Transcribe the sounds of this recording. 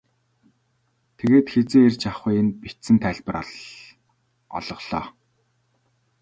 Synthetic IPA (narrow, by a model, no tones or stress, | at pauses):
t̪ʰeɣeːt̪xet͡seːert͡ɕaχʊjɪ̆npit̪sɘ̆nt̪ʰæːɮʲpə̆ɾɔ̰ɮ | ɔ̰ɮɞ̆ɮ̥ɔ̰ː